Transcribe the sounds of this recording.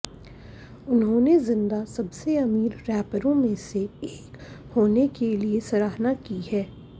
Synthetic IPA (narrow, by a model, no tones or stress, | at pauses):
ʊnɦõːnezɪ̃nd̪asɐbseɐmiːɾːɛːpəɾõmẽseeːkhoːnekeliesɐɾaːɦnakihɛː